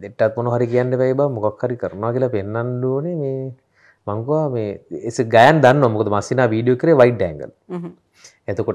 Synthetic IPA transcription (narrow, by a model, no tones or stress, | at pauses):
d̪eʈːat̪̚monoɦaɾik̬ijanɖepɛjbamukakʰːaɾikəɾɐnoʋakilapenːanluːnemeː | maŋkuʋameːesɡajand̪anːoʋamukod̪əmasinaːʋiːɖijokəɾeʋajiʈ̚ɖɛ̰ːŋɡə̰l | at̪uko